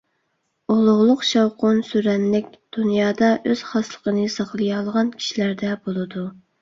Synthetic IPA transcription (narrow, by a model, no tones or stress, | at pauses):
olˠʊʁlˠʊqʃɑwqonsyɾɛnlɪkʲd̪̥unjɑːd̪ɑʔøz̥χɑslˠə̥qənɨsɑχlˠɨjɑlˠʁɑnkʲʰi̥ʃilæɾd̪ɛbolˠɨd̪u